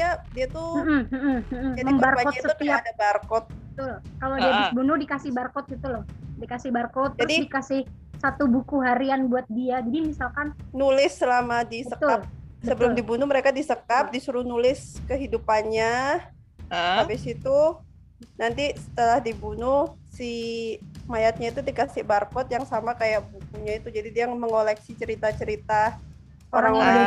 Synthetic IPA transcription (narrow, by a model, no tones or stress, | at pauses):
adiat̪um̩m̩m̩d͡ʒaməmbarakɔsət̪iadabarkɔt̪̚bbət̪ʊlkalawdiabisbunʊhdikasɪhbarkɔt̪̚ɡit̪ulɔhdikasɪhbarkɔt̪̚ːd͡ʒraʊdidikasɪh | sat̪ubukuɦaɾianbuat̪̚diad͡ʒadimisalkannulɪsːəlamadisəkt̪ʊal̚səbəlʊmdibunʊməɾekadisəkap̚disuɾuhnulɪskəɦidupanɲa | abɪsit̪u | nant̪isə̥t̪əlahdibunʊhsi | majat̪̚ɲait̪udikasɪhbarkɔt̪̚jaŋsamakajaʔbukuɲait̪ud͡ʒadidiaməŋolɛksit͡ʃəɾit̪at͡ʃəɾit̪a | oɾaŋ